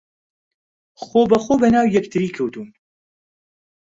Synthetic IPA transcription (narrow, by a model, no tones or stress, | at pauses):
xoːbəxoːbənaːwjɛkt̪ʰɨɾiːkʰɨwd̪uːn